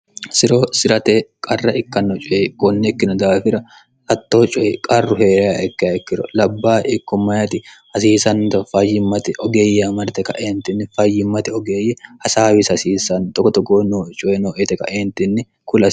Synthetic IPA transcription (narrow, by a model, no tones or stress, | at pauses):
sɪɾoːsɪɾɐt̪eːkʼɐrːɐʔɪkːɐnːɔt͡ʃʼɔʔeːkɔnːɛɛkːɪnɐd̪aːfɪɾɐ | hɐt̪ːo̞ːt͡ʃʼɔʔekʼɐrːʊhe̞ːɾɐjaːʔɛkːɪaɛkːɪɾɔ̰lɐbːaːʔɪkːɔmːɐjɐt̪ɪhɐsiːsɐnt̪ɐfɐjːɪmːɐt̪ɛʔɔɡeːjːɛɐmɐɾt̪ɛkɐ̰ʔeːnt̪ɪnːɪfɐjːɪmːɐt̪ɛɔɡeːjːɛhɐsaːwɪsɐsiːsɐnt̪ɔkːɔt̪ɔɡoːnoːt͡ʃʼɔʔenoːʔet̪ɛkɐ̰ʔeːnt̪ɪnːɪ | kʊlɐ